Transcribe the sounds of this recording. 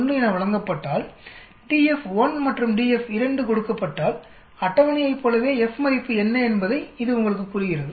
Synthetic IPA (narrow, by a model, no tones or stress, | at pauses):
nrɯjɪnɐʋɪɭɐŋɡɐpːɐʈːaːl | ɖiːɛfʋɐnmɐʈrɯmɖiːɛfɪɾɐɳɖɯkɔɽɯkːɐpːɐʈːaːl | ɐʈːɐʋɐnɪjɐɪpːoːlɐʋeːɛfmɐɾɪpːɯɛnːɐɛnbɐðɐɪɪðɯʊŋɡɐɭɯk̬ːɯkːuːrɪɣɪrɐðɯ